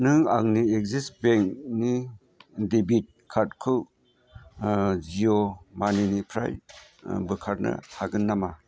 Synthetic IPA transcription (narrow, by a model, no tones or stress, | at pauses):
nɯŋa̰ŋniek̚zisbeŋkni | dibit̚kʰat̚kʰɯw | ziomaninipʰɾa̰j | bɯkʰaɾnɐ̰haɡɯnːama